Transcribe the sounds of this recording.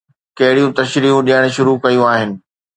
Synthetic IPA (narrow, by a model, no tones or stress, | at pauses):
kɐɦɪɽijũt̪ɐʃɾiːɦũɗiəɽ̃̆ʃʊɾukɐjũaːɦɪnɪ̆